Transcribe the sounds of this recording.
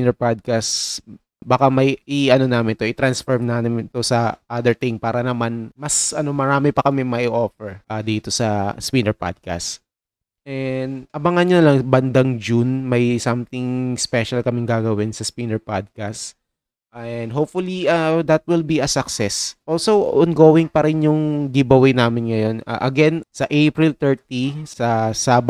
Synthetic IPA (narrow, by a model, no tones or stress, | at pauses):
nɛɹpad̪̚kas | bakamɐjʔiɐno̞naːmɪnt̪oʔɪt̪ɾɐnsfoɹmnaːmɪmnt̪ʊsɐʔad̪ɛɹt̪ɪŋpaːɾɐnɐmanmɐsʔɐno̞mɐɾaːmɛpɐkɐmɛmɐʔɪʔoːfɛɹʔad̪iːt̪osɐspinɛɹpa̰d̪̚ka̰s | ʔɛnd̪ʔɐbɐŋɐnɲonɐlɐŋbɐnd̪ɐŋd͡ʒunmɐjsɐmt̪ɪŋspɛʃɐlkɐmɛŋɡaːɡɐwɪnsɐspinɛɹpad̪̚kas | ɛnd̪ɦoːpfʊliʔad̪ɐt̪̚wɪlbiɐsɐksɛsʔolsowʔɔnɡoːwɪŋpɐɾɪnjʊŋd̪ibɐwɪjnaːmɪnŋɐjo̞na̰ʔɐɡɛnsɐʔejpɹɪlt̪ɛɹt̪isɐsaːb